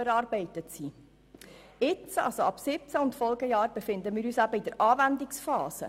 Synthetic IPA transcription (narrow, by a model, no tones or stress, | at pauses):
əɾɑːɾbɛɪtətsi | ɪt͡sɑ̰lsoɑpsɪp̚t͡saʊntfɔlɡəjɑːɾb̥efɪnd̪əmiːɾyːsæbəidəɾʔɑːvændiksfɑːsə̰